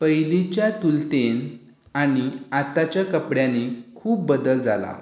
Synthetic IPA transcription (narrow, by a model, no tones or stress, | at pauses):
pəjlit͡ɕjat̪ult̪en | aɽ̃iat̪at͡ɕjakəpɽjanekʰuːp̚bəd̪əld͡za̰la̰